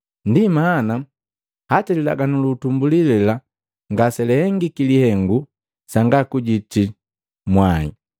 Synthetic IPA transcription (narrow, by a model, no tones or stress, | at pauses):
ndimaːna | hatalila̰ɡanulutumbulilɛla | ŋɡasɛlɛhɛŋɡikilihɛŋɡu | saŋɡakuɟiti | mwaḭ